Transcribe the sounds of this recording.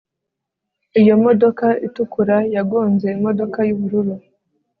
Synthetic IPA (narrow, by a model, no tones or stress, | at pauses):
ijo̞mo̞do̞kaitukuɾajaɡoːnze̞imo̞do̞kajuβuɾuɾu